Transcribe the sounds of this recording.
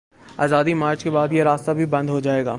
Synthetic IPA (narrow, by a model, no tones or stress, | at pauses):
aːzaːd̪imaːɾt͡ɕkebaːd̪iaɾaːst̪abʱibɐ̃nd̪ɦod͡ʒaːeːɡa̰ː